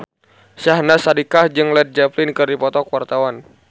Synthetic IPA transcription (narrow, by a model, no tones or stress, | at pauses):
ʃahnasadikahd͡ʒɨŋlɛt̪̚d͡ʒaplɪnkɨrdipɔt̪ɔkwart̪awan